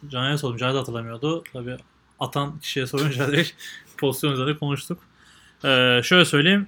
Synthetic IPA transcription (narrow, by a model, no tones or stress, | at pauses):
d͡ʒanaɾɛsod̪umd͡ʒad̪at̪ʰɯlˠamɯjod̪ʊt̪ʰabiː | at̪ʰancʰi̥ʃijɛsoɾmd͡ʒad̪ɛpʰo̞zit̪jonyzeɾnɛkʰo̞nuʃt̪ʰuk | ɛːʃø̞jlʲɛsø̞jlʲejim